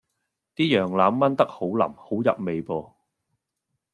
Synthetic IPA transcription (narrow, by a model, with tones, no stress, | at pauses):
t̪iː˥jœː˨˩ŋlaː˨˧˥mːɐ˥nt̪ɐ˥k̚ho˨˥wlɐ̰˨˩mho˨˥wjɐ̰˨p̚me˨jpɔː˧